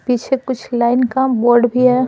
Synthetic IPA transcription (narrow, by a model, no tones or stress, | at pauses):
piːt͡ʃʰekʊt͡ʃʰlaːɪnkabɔːɾɖbʱiɦɛ